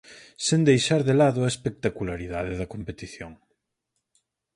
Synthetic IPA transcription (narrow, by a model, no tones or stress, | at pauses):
send̪ejʃaɾðelaðʊɐespek̚t̪akulaɾiðað̞eðɐkompet̪iθjoŋ